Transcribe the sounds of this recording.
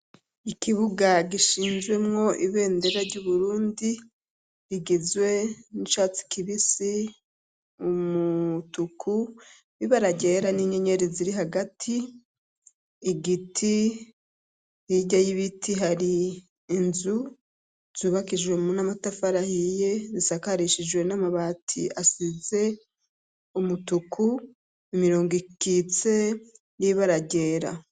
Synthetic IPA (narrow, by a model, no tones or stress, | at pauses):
ikiβuɡaɡiʃiːnzɡwe̞mŋo̞ʔiβe̞ːnde̞ɾaɾɟuːβuɾuːndiː | ɡizwe̞nit͡ʃaːt͡si̥kiβisi | umutukʰu | βiβaɾaɟeɾaniɲeɲe̞ɾiziɾiɦaɡatʰi | ɡitʰi | jiɟajiβitʰiɦaɾiː | nzu | z̥uβakiʒwe̞munamatafaɾahije̞zisakaɾiʃiʒwe̞namaβatʰiasize̞ | umutukʰu | imiɾoːŋɡikit͡se̞ | niβaɾaɟe̞ːɾa̰